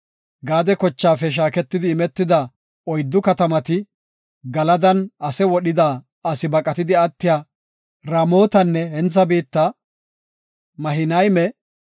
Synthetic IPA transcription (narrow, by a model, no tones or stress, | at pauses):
ɡaːd̪ɛkɔt͡ʃːaːfɛʃ̬aːkɛt̪ːɪd̪ɪːmɛt̪ːɪd̪ɐ | ɔjd̪ːʊkɐt̪ɐmɐt̪ɪ | ɡɐlɐd̪ɐnɐsɛwɔɗɪd̪aː | ɐsɪbɐkʼɐt̪ɪd̪ɪɐt̪ːɪjaː | ɾɐmo̞ːt̪ɐnːɛhɛnt͡sːɐbiːt̪ːɐ | mɐɦɪnɐjmɛ